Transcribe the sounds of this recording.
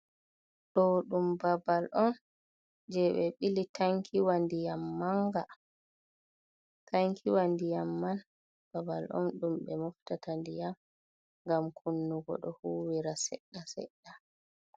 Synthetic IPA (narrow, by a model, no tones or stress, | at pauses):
ɗɔɗumbabalʔɔn | d͡ʒɛɓɛɓilitʰaŋkʰiwandijamːaŋɡa | tʰaŋkʰiwandijamːan | b̥abalʔɔ̰nɗumɓɛmɔftatʰandijam | ŋɡamkʰunːuɡɔ̰ɗɔhuwiɾasɛ̰ɗːasɛ̰ɗːa